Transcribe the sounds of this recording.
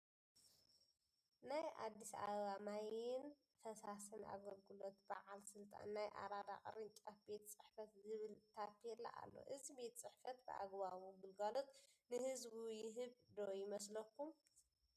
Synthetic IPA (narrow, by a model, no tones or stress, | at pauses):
naja̰d̪ːisa̰βamajɪn | fɐsasɨna̰ɡɐlɡɨlo̞t̪ba̰ʕalsɨlt̪ʼa̰nːajʔa̰ɾad̪a̰qʼɾɨnt͡ʃʼafbe̞t̪t͡sʼɨħfɐt̪zɨβɨlt̪ʰapʰːɛlːa̰ʔa̰lːo̰ʔɨzibe̞t̪t͡sʼɨħfɐt̪̚bɨ̰ʔa̰ɡβaβuɡɨlɡalot̪ʼnɨhɨzbujɪɦɨβd̪ojɪmɐs̬lɐkːum